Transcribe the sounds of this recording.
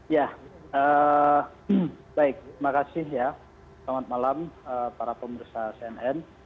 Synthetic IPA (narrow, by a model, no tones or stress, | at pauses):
ja | ə | baɪk̚imakasɪhja | slamat̪̚malaməpaɾapəməɾisaseɛnɛn